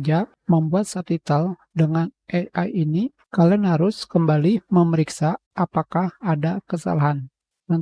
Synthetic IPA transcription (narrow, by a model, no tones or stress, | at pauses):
d͡ʒa | məmbuat̪̚sat̪it̪əl | dəŋanʔɛaini | kalənhaɾʊskəmbaliməməɾiksaː | pakahadakəsa̰laɦan | mən